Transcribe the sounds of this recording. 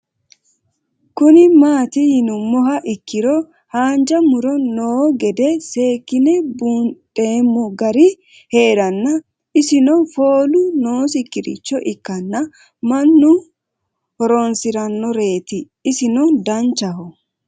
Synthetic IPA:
kʊnɪmaːt̪ɪhɪnʊmːɔɦɐʔɪkːɪɾɔ | haːnd͡ʒɐmʊɾɔnoːɡɛd̪ɛse̞ːkːɪnɛbuntʼeːmːʊɡɐɾɪ | he̞ːɾɐnːɐ | ɪsɪnɔfo̞ːlʊnoːsɪkːɪɾɪ̰t͡ʃːɔʔɪkːɐnːɐ | mɐnːʊ | hɔɾɔnsɪɾɐnːɔɾe̞ːt̪ɪː | sɪnɔd̪ɐnt͡ʃːɐhɔ

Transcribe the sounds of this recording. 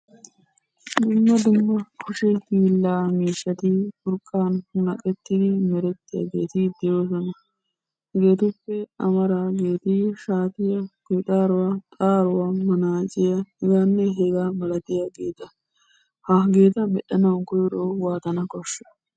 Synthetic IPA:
d̪ʊmːɐd̪ʊmːɐkʰɔʃɛhiːlːaːmiːʃːɐt̪ɪfʊɾkʼːaːnhʊnɐkʼɛt̪ːɪd̪ɪmɛɾɛt̪ːɪja̰ɡḛːt̪ɪd̪ɪjoːsɔnɐ | ɡe̞ːt̪ʊpːɛɐmɐɾaːɡe̞ːt̪ɪʃaːt̪ɪjɐkʊjt̪ʼaːɾʊwat̪ʼaːɾʊwaːmɐnaːt͡ʃʼɪjɐhɛɡaːnːɛɦɛɡaːbɐlɐt̪ɪjaɡeːt̪ɐ | hɐɡe̞ːt̪ɐmɛɗɐnɐwɡɔjɾoːwaːt̪ɐnɐkɔʃːɐ̥

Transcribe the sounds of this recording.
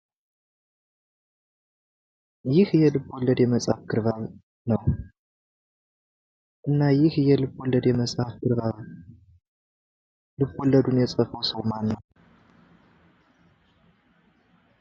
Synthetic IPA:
jɪhjɛlɨbolːəd̪jɛməsʼafɡʰɨɾβaβ | nəw | ʔɨnːajɪhjɛlɨβːolːəd̪jɛməsʼhafɡɨɾβaβ | lɨbolːəd̪unjɛsʼəfəwsəwmanːəw

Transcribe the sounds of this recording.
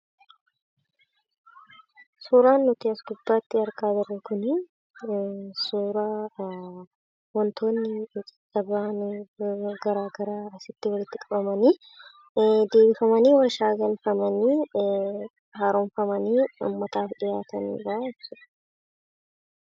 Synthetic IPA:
suːɾaːnːʊt̪iɐsɡʊbːaːt̪ːɪɐɾkaːd̪ɐɾɛkʊn | suːɾa | wɔnt̪ʰo̞ːnːɪt͡ʃʼɐ̥t͡ʃʼːɐbaːn | ɡɐɾaːɡɐɾaːɐsɪt̪ːɪwɐlɪt̪ːɪkʼɐbɐmɐniː | d̪e̞ːbɪfɐmɐniːwɐʃaːɡɐlfɐmɐniː | haːɾonfɐmɐniːʊ̰mːɐt̪aːfᶑɪjaːt̪ɐnḭːɾaːɪtsɪ̥

